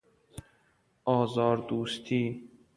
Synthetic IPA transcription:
ʔɒːzɒːɾd̪uːst̪ʰiː

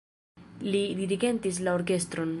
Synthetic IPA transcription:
lidiɾiɡe̞ntis̬lao̞ɾke̞st̪ɾo̞n

